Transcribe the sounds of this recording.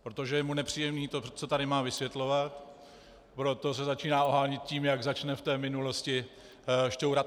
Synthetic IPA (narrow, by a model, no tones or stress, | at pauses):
pɾo̞t̪o̞ʒɛjɛmunɛpr̝̥iːjɛmniːt̪o̞t͡so̞t̪aɾɪmaːvɪsvjɛt̪lo̞vat̪ | pɾo̞t̪o̞s̬ɛzat͡ʃiːnaːoɦaːɲɪt̪̚ciːmjaɡzat͡ʃnɛft̪ɛːmɪnulo̞scɪ | ʃt̪owɾa